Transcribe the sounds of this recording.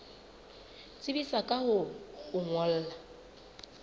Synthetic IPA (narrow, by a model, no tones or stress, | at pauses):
t͡sʼɪbisakʼahʊhʊŋwɔl̩ːla